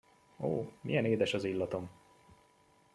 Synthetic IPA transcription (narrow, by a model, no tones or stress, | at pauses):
o̰ːmḭjɛneːd̪ɛʃɒzilːɒt̪o̞m